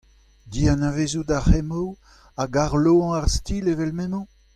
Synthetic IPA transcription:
d̪ianavezudahɛmo | aɡaʁloɑ̃aʁst̪iːlevɛlmɛ̃mɑ̃

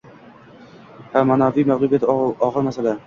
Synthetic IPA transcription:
hamanafijmaʁlˠubjat̪ɒʁɨɾmasala

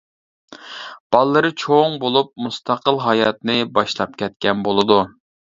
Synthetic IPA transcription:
b̥ɑlˠːɨɾɨt͡ʃʰoŋbolˠup̚must̪ʰɑqəlˠɦɑjɑt̪nɨbɑʃlˠɑp̚kʲʰɛt̪̚kʲɛnbolˠɨd̪u

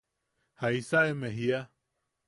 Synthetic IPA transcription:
haisaemẽɦia

